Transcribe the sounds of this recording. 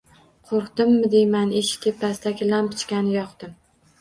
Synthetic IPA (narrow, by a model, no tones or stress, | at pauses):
qʰoɾqd̪ɪmːɪd̪ejmanɪʃt̪ʰʲepːast̪akʲɪlanpʰɪ̥t͡ʃkʲanɪjɒqd̪ɪm